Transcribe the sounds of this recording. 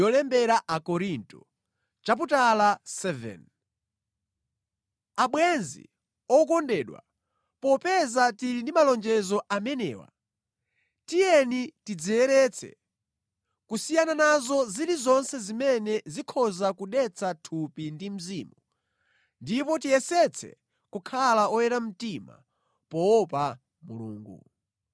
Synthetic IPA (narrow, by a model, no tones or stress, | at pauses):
jɔlɛmbɛɾaʔakɔɾintu | t͡ʃap̬utalasɛvɛ̰n | aɓwɛnzḭ | ɔk̬ɔndɛːɗwa̰ | pɔpɛzatiɾindimalɔnd͡ʒɛzɔʔamɛnɛ̰ːwa̰ | tijɛnitid͡zijɛɾɛt͡sʰɛ̰ | kusijananazɔziɾizɔnsɛzimɛnɛzikʰɔzakuɗɛt͡sʰatʰupindim̩ziːmu | ndipɔtijɛsɛt͡sʰɛ̰ | kukʰalaɔjɛɾam̩tima̰ | pɔɔpa | mṵlṵːŋɡṵ